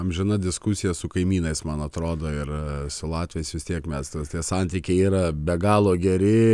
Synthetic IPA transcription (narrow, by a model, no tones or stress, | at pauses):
ɐmʒʲɪnɐd̪ʲɪskʊsʲɪjɛsʊkɐɪmʲiːnɐɪsmɐnɐt̪ɾoːd̪oːɪrsʊlˠɑːt̪ʲʋʲjɛsʋʲɪst̪ʲiɛkmʲɛst̪ɐt̪ʲiɛsɑnʲt̪ʲiːkʲɛɪiːɾɐbʲɛɡɑːlˠoːɡʲɛɾʲɪ